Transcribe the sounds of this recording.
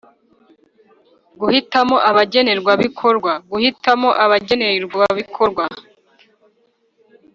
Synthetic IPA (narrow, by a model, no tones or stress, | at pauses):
ɡuhitamo̞ʔaβaɟe̞ne̞ɾɡwaβikʰo̞ɾɡwaɡuhitamo̞ʔaβaɟe̞neɾɡaβikʰoɾɡwa